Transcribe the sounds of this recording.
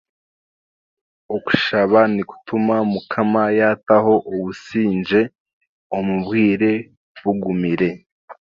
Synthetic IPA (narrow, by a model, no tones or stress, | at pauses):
oku̥ʃaβaniku̥tumamukʰamajataho̞ʔoβusiːnd͡ʒe̞ | omuβɡiːɾe̞ | βuɡumiɾe̞